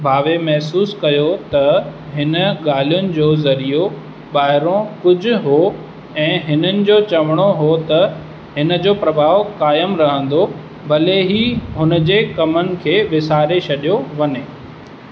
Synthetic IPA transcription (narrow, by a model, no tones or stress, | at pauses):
bʱaːʋemɛɦsuːskɐjot̪ɐɦɪnə̆ɠaːl̤ijʊnɪ̆d͡ʑoːzɐɾijo | ɓaːɦɪɾõkʊd͡ʑʱʊ̆ɦo | ɛ̃ːɦɪnənɪ̆d͡ʑoːt͡ɕɐʋəɽ̃oɦot̪ɐ | ɦɪnə̆d͡ʑoːpɾɐbʱaːʋkaːjəmɾɐɦə̃n̆d̪o | bɐleɦiɦʊnə̆d͡ʑeːkɐmənɪ̆kʰeːʋɪsaːɾeɕʰɐɗijoʋɐɲeː